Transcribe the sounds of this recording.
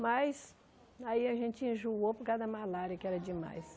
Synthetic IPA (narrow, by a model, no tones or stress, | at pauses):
mɐjs | aiɐʒẽnt͡ʃɪĩʒuopʊkad̪ɐmalaɾiɐkɪɛɾɐd͡ʒɪma̰js